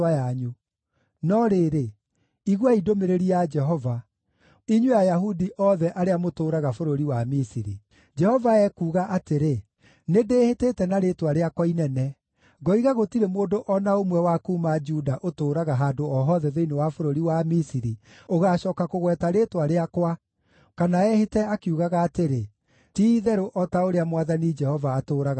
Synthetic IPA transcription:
ajaɲu | nɔɾeːɾe | iɣwaidomeɾeɾiad͡ʒɛɦɔva | iɲwejajaɦudiʔɔðɛʔaɾeamotoːɾaɣafoɾoɾiwamisiɾi | d͡ʒɛhɔvaɛkuːɣaʔateɾe | nedeːheteːtɛnaɾetwaɾeakɔinɛnɛ | ɡɔiɣaɣotiɾemoːndoʔɔnaomwɛwakuːmad͡ʒuːdaʔotoːɾaɣaɦaːndoɔɦɔðɛðeinewafoɾoɾiwamisiɾi | oɣaːɕɔːkakoɣwɛtaɾetwaɾeakwa | kanaɛhetɛakiuɣaɣaːteɾe | tiðɛɾoʔɔtaoɾeamwaðanid͡ʒɛhɔvaːtoːɾaɣ

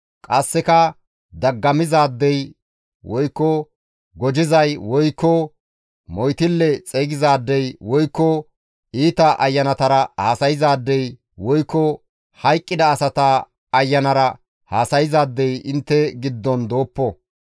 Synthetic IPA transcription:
kʼɐsːɛkɐ | d̪ɐɡːɐmɪzaːd̪ːɛj | wɔjkːɔ | ɡɔd͡ʒɪzɐjwɔjkːɔ | mɔjt̪ɪlːɛt͡sʼɛːɡɪzaːd̪ːɛjwɔjkːɔ | iːt̪ɐʔɐjːɐnɐt̪ɐɾɐhaːsɐjɪzaːd̪ːɛj | wɔjkːɔ | hɐjkʼːɪd̪ɐːsɐt̪a | ɐjːɐnɐɾɐ | haːsɐjɪzaːd̪ːɛjɪnt̪ːɛɡɪd̪ːɔnd̪oːpːɔ

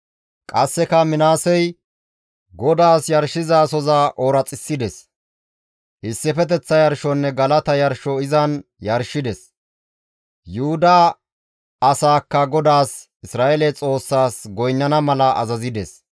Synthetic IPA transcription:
kʼɐsːɛkɐmɪnaːsɛj | ɡɔd̪aːsjɐɾʃːɪzaːsɔzaʔoːɾɐt͡sʼɪsːɪd̪ɛs | ʔɪsːɪfɛt̪ɛt͡sːɐjɐɾʃɔnːɛɡɐlɐt̪ɐjɐɾʃɔɪzɐnjɐɾʃɪd̪ɛs | jʊhʊd̪ɐː | saːkːɐɡɔd̪aːs | ɪsɾaːʔɛlɛt͡sʼo̞ːsːaːsɡɔjnːɐnɐmɐlɐʔɐ̰zɐzɪd̪ɛs

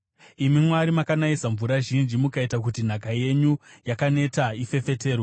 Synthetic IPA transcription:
imimwaɾimakanaisaɱvuɾaʒind͡ʒimukaitakutin̤akaje̞ɲujakane̞taife̞fe̞te̞ːrwo

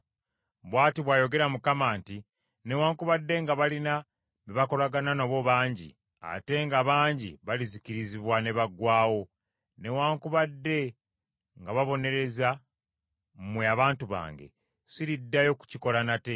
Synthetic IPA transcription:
βwaːtiβwaːjo̞ɡe̞ɾamukamaːnti | ne̞waːŋkuβadːe̞ŋɡaβalina | βeβako̞laɡananoβo̞βaːɲɟḭ | a̰te̞ŋɡaβaːɲɟḭβaliziciɾiziβwane̞βaɡwaːwo̞ | ne̞waːŋkuβadːe̞ | ŋɡaβaβo̞ne̞ɾe̞za | mmweaβaːntuβa̰ːŋɡe̞̰ | siɾidːajo̞ku̥ciko̞ɾanate̞

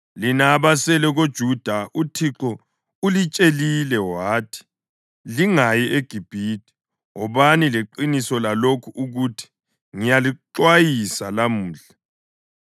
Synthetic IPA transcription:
linaːβasɛlɛɣod̥ʒ̥ʱud̥ʱaʔutʰiǁɔ | ulit͡ʃʼelilɛwaːtʰi̥ | liŋajiʔeɡ̥ʱib̥ʱiːtʰʼi̥ | ŋɔβanileǃinisɔlalokʰuʔuɣutʰi̥ | ŋijaliǁwajisalamuːɮa

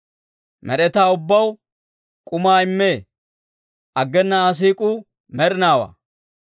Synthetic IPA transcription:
mɛɗɛt̪aːʊbːɐw | kʼʊmaːɪmːe̞ː | ʔɐɡːɛnːɐːs̬iːkʼʊ | mɛɾɪnaːwa̰ː

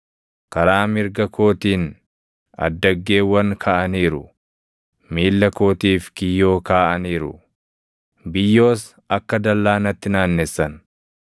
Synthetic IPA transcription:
kɐɾaːmɪɾɡɐko̞ːt̪iːn | ɐ̰d̪ːɐɡːe̞ːwːɐŋkʰɐʔɐniːɾʊ̰ | miːlːɐko̞ːt̪iːfkɪjːo̞ːkaːʔɐniːɾʊ̰ | bɪjːo̞ːs | ɐkːɐd̪ɐlːaːnɐt̪ːɪnaːnːɛsːɐn

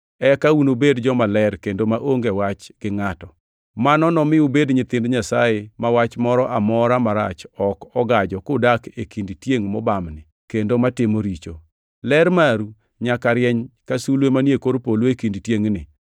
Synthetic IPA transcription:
ɛkaunobedd͡ʒɔmalɛrkendomaʔoŋɡɛwat͡ʃɡɪŋatɔ | manɔnɔmɪubedɲɪt̪ɪndɲasajemawat͡ʃmɔɾɔʔamɔɾamaɾa̰t͡ʃɔkɔɡad͡ʒɔkʊdakekindtjeŋmɔbamnɪ | kendomatɪmoɾit͡ʃo | lɛɾmaɾu | ɲakaɾjɛɲkasulwemaniekoɾpolwekindtjeŋnɪ̰

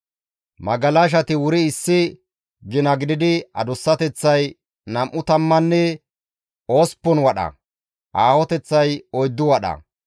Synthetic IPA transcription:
mɐɡɐlaʃ̬ɐt̪ɪwʊɾɪɪsːɪ | ɡɪnɐɡɪd̪ɪd̪ɪɐ̰d̪ʊsːɐt̪ɛt͡sːɐj | nɐmʔːʊt̪ɐmːɐnːɛ | o̞ːspːɔnwɐɗɐ̰ | ʔaːhɔt̪ɛt͡sːɐjɔjd̪ːʊwɐɗɐ̰

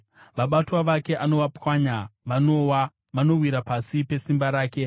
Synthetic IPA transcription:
ʋaɓatwaʋake̞ʔano̞ʋwapwaɲaʋano̞wa | ʋano̞rwiɾapasipe̞simbaɾaːke̞

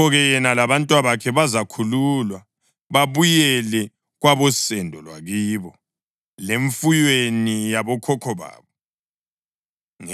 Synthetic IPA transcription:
ɔɣɛjɛnalaβantʼwaβakʰɛβazakʰululwa | βaβujɛlɛ | ɣwaβɔsɛndʱɔlwaɣiːβɔ | leɱfujwenijaβɔkʰɔkʰɔβa̰ːβɔ | ŋ

